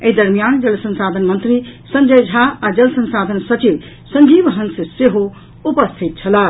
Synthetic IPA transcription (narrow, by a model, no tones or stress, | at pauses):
eɦid̪əɾmijand͡ʒʌlsə̃nsad̪ʱənmʌnt̪ɾisə̃nd͡ʒəjd͡ʒʱaad͡ʒʌlsə̃nsad̪ʱənsʌt͡ʃib | sə̃ŋd͡ʒibɦʌnsseɦo | upəst̪ʰit̪̚t͡ʃʰʌla